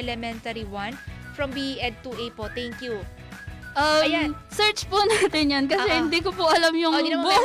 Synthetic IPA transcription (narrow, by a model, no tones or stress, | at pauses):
lɛmɛnt̪ɐɾiwɐnfɹɐ̃mbiʔɛd̪̚t̪uʔejpot̪ɛŋkju | ʔɐajasɛɹt͡ʃpʊnaːt̪ɪnjankɐsɛhɪnd̪ikʊpʊʔɐlamjʊŋbo